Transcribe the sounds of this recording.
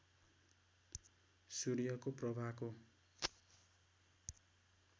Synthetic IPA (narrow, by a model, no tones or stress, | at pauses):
suɾijʌkoprʌbʱako